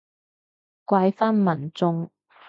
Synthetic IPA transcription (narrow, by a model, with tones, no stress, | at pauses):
kʷɐ˧jfaː˥nmɐ˨˩nt͡sʊ˧ŋ